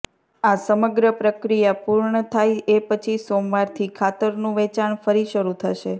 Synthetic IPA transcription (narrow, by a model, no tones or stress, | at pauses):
asəməɡɾəpɾəkɾijapuɾɳət̪ʰajepət͡ʃʰisomʋaɾt̪ʰikʰat̪əɾnũʋɛt͡ʃaɳfəɾiʃəɾut̪ʰəʃe